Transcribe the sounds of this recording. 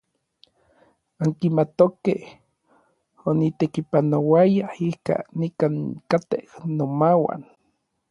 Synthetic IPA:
aŋkimat̪okeh | onit̪ekipanowajaihka̰nikankat̪ehnomawa̰n

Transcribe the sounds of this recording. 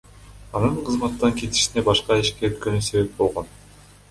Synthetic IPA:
ɑnɯɴqʰɯzmɑt̪ːɑŋke̞t̪i̥ʃine̞bɑʃqɑiʃkeøt̪kø̞nyse̞βe̞p̚bo̞lˠʁo̞n

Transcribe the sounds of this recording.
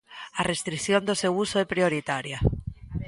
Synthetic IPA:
arest̪ɾiθjond̪oseusoepɾioɾit̪aɾja

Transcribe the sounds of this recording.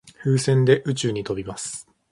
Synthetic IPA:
ɸɯ̟ːsẽ̞nd̪e̞ʔɯ̟t͡ɕɨːɲ̟it̪o̞bʲimasɨ̥

